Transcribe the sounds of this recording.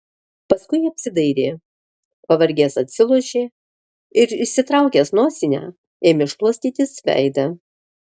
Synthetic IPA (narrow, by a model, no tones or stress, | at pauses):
pɐskʊɪɐpʲsʲɪd̪ɐɪɾʲeː | pɐʋɐɾʲɡʲeːsɐt̪ʲsʲɪlˠuɔʃʲeː | ɪɾɪʃʲsʲɪt̪ɾɑˑʊkʲeːsnoːsʲɪnʲæ̰ː | eːmʲɪʃlˠuɔsʲt̪ʲiːt̪ʲɪsʋʲæ̰ˑɪd̪ɐ